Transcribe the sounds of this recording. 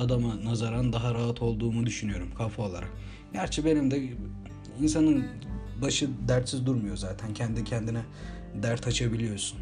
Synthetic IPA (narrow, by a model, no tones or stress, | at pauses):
ad̪amanazaɾand̪aɦaɾaɦat̪ʰo̞lˠd̪uːmud̪yʃynyjo̞ɾumkʰafolˠa̰ɾa | ɟæɾt͡ʃʰibenimd̪ɛ | ins̬anɯn | baʃɯd̪æɾt̪sizd̪uɾmujo̞zaːt̪ʰæncʰɛnd̪icʰɛnd̪inɛ | d̪æɾt̪ʰat͡ʃʰabilʲijo̞ɾsun